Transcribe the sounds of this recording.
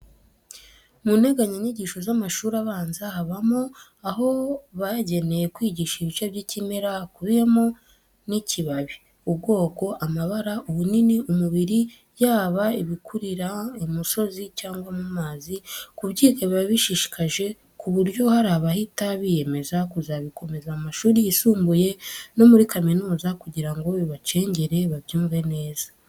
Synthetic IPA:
mune̞ɡaɲaɲiɟiʃo̞zamaʃuːɾaβaːnzahaβamo̞ | aho̞βaɟe̞ne̞je̞kwiːɟiːʃaiβit͡ʃaβɟicime̞ɾakuβijemo | nicʰiβaβi | ub̚ɡo̞ːko̞ʔamaβaɾaʔuβuniniʔumuβiɾi | jaːβaiβikʰuɾiɾaimuso̞zicaːŋɡwamumaːzikuβɟiːkeβiβaβiʃiʃi̥kaʒe̞ | kuβuɾjo̞haɾaːβahitaβije̞me̞zakuzaβiko̞me̞zamaʃuːɾiːsuːmbuje̞no̞muɾikaminuːzakuɟiɾaŋɡoβiβat͡ʃe̞ːɲɟeɾe̞βaβjuːɱve̞ne̞ːzḁ

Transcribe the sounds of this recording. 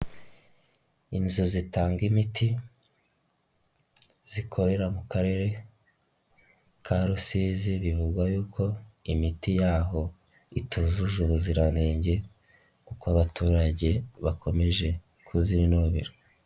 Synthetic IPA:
inzozitaːŋɡimiti | z̥ikʰo̞ɾe̞ɾamukaɾe̞ɾe̞ | kʰaɾusiːziβivuɡwajuːkʰo̞imitijaːɦo̞ | itʰuzuʒuβuziɾaneːɲɟe̞ | kukoaβatuːɾaɟe̞βakʰo̞me̞ʒe̞ | kʰuziɾinuβuβḭɾo

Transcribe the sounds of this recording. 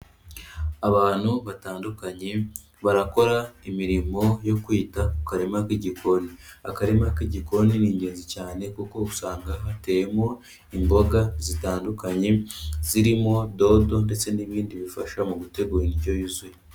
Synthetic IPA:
aβaːn̥huβataːndukaɲe̞ | βaɾako̞ɾaimiɾimo̞jo̞kwiːtakukaɾemakiɟikʰo̞nia̰kaɾemakiɟiko̞niniːɲɟe̞ːnzicaːne̞kuko̞kusaːŋɡaβate̞jemo̞ | imbo̞ɡazitaːndukaɲe̞z̥iɾimo̞do̞do̞nde̞t͡se̞niβiːndiβifaʃamuɡute̞ɡuːɾeniɟo̞juzuje

